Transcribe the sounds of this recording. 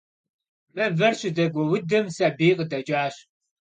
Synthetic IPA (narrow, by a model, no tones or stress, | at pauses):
pʼɐvɐrɕɪdɐɡʷɔwʊdɨmsɐbiːqʼədɐt͡ʃʼaːɕ